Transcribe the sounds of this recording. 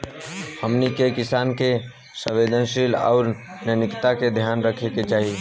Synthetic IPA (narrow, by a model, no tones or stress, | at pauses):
həmnikekɪsaːnke | sə̃ʋed̪ʱənʃilɔ̰ːɾ | njənikt̪aked̪ʱjaːnɾəkʰeket͡ʃaːɦi